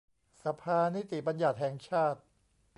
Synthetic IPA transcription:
sa˧pʰaː˧ni˦˥t̪i˨˩ba˧nja˨˩t̪̚ɦhɛː˨˩˦ŋt͡ɕʰaː˥˩t̪̚

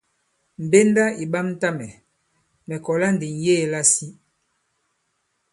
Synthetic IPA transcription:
m̩˨be˦nda˦i˨ɓa˦mn˦ta˦mɛ˨ | mɛ˨kɔ˨la˦ndi˨ŋ˨jeː˦˨la˦si˦

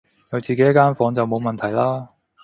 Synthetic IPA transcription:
jɐ˨˧wt͡siː˨ke˨˥jɐ˥kːaː˥nfɔː˨˥ŋt͡sɐ˨wmo˨˧wmɐ˨nt̪ʰɐ˨˩jlaː˥

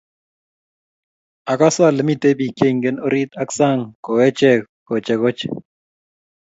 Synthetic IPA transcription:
a˨ka˦sa˦˨lɛ˨mi˨te˦bi˨ke˦˨ŋɡɛ˦no˦ɾi˦t̪a˦ksa˦˨ŋko˨wɛ˦t͡ʃɛ˨kko˨t͡ʃɛ˨kɔ˦t͡ʃɛ̥̰˨

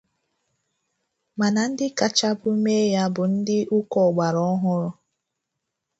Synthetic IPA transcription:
ma˨na˨n̩˦dɪ˦ka˨t͡ʃa˦bʊ˦me˦ja˦bʊ˨n̩˦dɪ˦ʔu˦kɔ˨ɡ͡ba˨ɾɔ˦ɦʊ˦ɾʊ˦

